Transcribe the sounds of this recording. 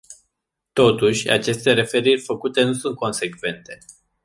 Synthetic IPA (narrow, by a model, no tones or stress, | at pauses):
t̪o̞t̪uʃʲa̰t͡ʃe̞st̪e̞ɾe̞fe̞ɾirʲfəkut̪e̞nusunt̪̚ko̞nse̞kve̞nt̪e̞